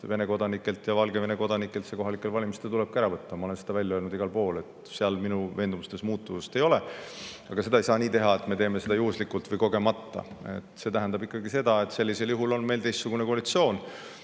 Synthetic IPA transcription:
ve̞ne̞ko̞d̪ɑnikːˑe̞lt̪jɑvɑlɡ̥e̞ve̞ne̞ko̞d̪̥ɑnikːˑelt̪seko̞ɦɑlikːˑe̞lvɑlʲimist̪elt̪uleb̥̚kæɾɑvɤt̪ːɑmɑo̞le̞nsed̪ɑvælʲjɑølnud̪iɡ̥ɑlpo̞ːle̞t̪ | seɑlminuve̞ːnd̪umust̪e̞smuːt̪ːuvust̪e̞jo̞le̞ɑɡ̥ɑse̞d̪ɑejsɑːniːt̪e̞ɦɑe̞t̪ˑme̞t̪e̞ːme̞se̞d̪ɑjuhuslikːˑult̪vɤjko̞ɡ̥e̞mɑt̪ːɑ̰e̞̰t̪ˑse̞t̪æɦænd̪ɑbikːˑɑɡise̞d̪̥ɑe̞t̪se̞lʲːiseljuɦulo̞nme̞jlt̪ejst̪suɡ̥unekoɑlit̪sio̞ːn

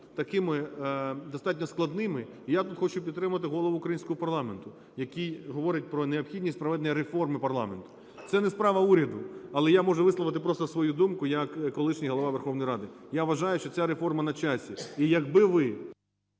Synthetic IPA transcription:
t̪ɐkɪmɪd̪ɔst̪ɑt̬̚ʲnʲɔsklˠɐd̪nɪmɪ | ijat̪ut̪xɔt͡ʃʊpʲid̪t̪ːɾɪmɐɐt̪ɪɦɔlˠɔʋʊːkɾɐjinʲsʲkɔɦɔpɐrlˠɑment̪ʊ | jɐkʲijɦɔʋɔɾʲɪt̚ʲpɾɔneɔpxʲidʲnʲisʲtʲpɾɐʋɛd̪nɔjɾefɔrmɪpɐrlˠɑ̰ment̪ʊ̥ | t̪sɛnɛspɾɑʋɐuɾʲɐd̪ʊɐlˠɛjamɔʒɛʋɪslˠɔʋɪt̪ɪpɾɔst̪ɔsʋɔjud̪umkʊjɐkːɔlˠɪʃnʲijɦɔlˠɔʋɑʋerxɔʋnɔjɾɑd̪ɪjaʋɐʒɑjʊʃt͡ʃɔt͡sʲaɾefɔrmɐnɐt͡ʃasʲiijɐɡbɪʋɪ

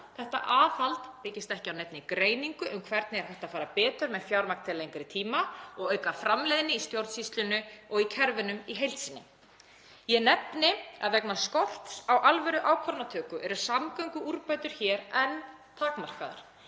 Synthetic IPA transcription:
θɛht̪a̰ʔaːθalt̪pɪcɪst̪ɛhcɪawnɛjp̪̚nɪkɾeːjniŋkʏʔʏmkʰvɛɾt̪nɪɛɾ̥hɛjht̪afaːɾapɛːt̪ʏɾmɛðfjawɾmakt̪ʰɪlejŋkɾɪt̪ʰiːmaɔɣœːɥkafɾamlejðɪnːɪist̪jowɾt̪sist̪lʏnʏɔɣicʰɛɾvɪnʏmiɦejlt̪sinːɪ | jɛnɛpnɪa̰ðvɛknaskɔl̥t̪sawʔalvɛɾʏʔawkʰvɔɾnat̪ʰœːkʏʔɛɾʏɾ̥samkœɥŋkʏuɾpajt̪ʏɾ̥çɛːɾɛn | t̪ʰaːkmar̥kaða̰ɾ̥

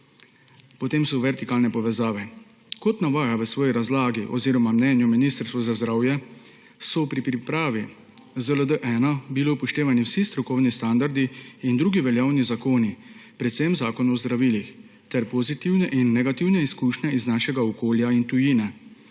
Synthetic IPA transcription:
pɔt̪eːmsɔʋɛɾt̪ikaːlnɛpɔʋɛzaːʋɛ | kɔt̪naʋaːjaʋəsʋɔːjiɾazlaːɡiʔɔ̰ziːɾɔmamnɛːnjuminist̪əɾst̪ʋɔzazd̪ɾaːwjɛ | sɔpɾipɾipɾaːʋi | zələd̪əʔɛːnabilipɔʃt̪eːʋaniwsist̪ɾɔkɔwnist̪and̪aɾd̪iːnd̪ɾuːɡiʋɛljaːwnizakoːnipɾɛt̪sɛmzaːkɔnɔzd̪ɾaʋiːlix | t̪ɛɾpɔzit̪iwnɛʔinːɛɡat̪iwnɛiskuːʃnɛiznaːʃɛɡaɔkoːljaint̪ujiːnɛ

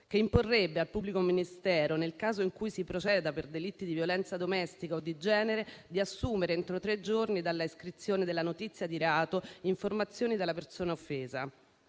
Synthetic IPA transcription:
k̟eimporːebːealpubːlikominist̪ɛːɾonelkaːzoiŋkujsipɾot͡ʃɛːd̪aperd̪elit̪ːid̪ivjolɛnt̪sad̪omɛst̪ikaod̪ːid͡ʒɛːneɾed̪iasːuːmeɾeent̪ɾot̪ɾed͡ʒornid̪alːaiskɾit̪sːjoːned̪elːanot̪it̪sːjad̪iɾeaːt̪oiɱformat̪sːjoːnid̪elːapersoːnaofːeːza

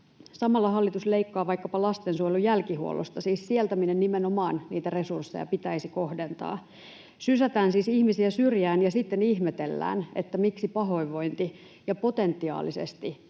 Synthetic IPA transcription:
sɑmɑlːɑɦɑlːit̪usle̞ikːɑːʋɑjkːɑpɑlɑst̪ensuojlujælkihuo̰lʔost̪ɑsiːssielt̪æminenːimenomɑːnniːt̪ære̞sursːḛjɑ̰pit̪æisiko̞hde̞nt̪ɑ̰ː | sysæt̪æːnsiːsihmisiæsyrjæːnjɑsit̪ːenihmet̪e̞lːæ̰ːnet̪ːæmiksipɑɦo̞iʋo̞jnt̪i | jɑpo̞t̪e̞nt̪ːiɑ̰ːlisḛst̪i

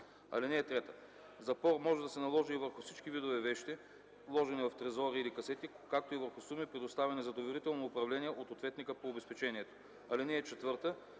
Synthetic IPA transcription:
ɐ̰linɛːt̪ɾɛt̪ə̥ | zɐpɔɾmɔʒɛd̪ɐsɛnɐlˠɔʒiːvəɾxʊsit͡ʃkivid̪ovɛvɛʃt̪i | lˠɔʒɛnivɐft̪ɾɛzɔɾiːlikɐsɛt̪i | kak̚t̪oivəɾxʊsumipɾɛd̪ʊst̪avʲɛnizɐd̪ovɛɾit̪ɛlˠnoʊpɾɐvlɛnʲiɛʔot̪ot̪vɛt̪nikəpoːbɛspɛt͡ʃɛniɛt̪o̥ | ɐlinɛːt͡ʃɛt̪vɤɾt̪ə

